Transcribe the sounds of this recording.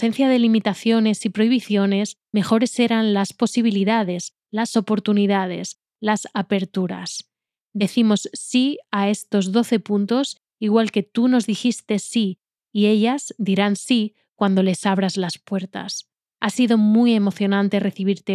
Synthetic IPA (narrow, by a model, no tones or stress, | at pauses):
se̞n̟θjaðe̞limit̪aθjo̞ne̞sipɾo̞iβiθjo̞ne̞s | me̞xo̞ɾe̞se̞ɾanlaspo̞siβ̞iliðað̞e̞s | laso̞po̞ɾt̪uniðað̞e̞s | lasape̞ɾt̪uɾa̰s | d̪e̞θimo̞sːiae̞st̪o̞zðo̞θe̞punt̪o̞s | iɣwalke̞t̪uno̞zðixist̪e̞si | ie̞ʎazd̪iɾansi | kwand̪o̞le̞saβ̞ɾazlaspwe̞ɾt̪a̰s | asiðo̞muje̞mo̞θjo̞nãnt̪e̞re̞θiβ̞iɾt̪e̞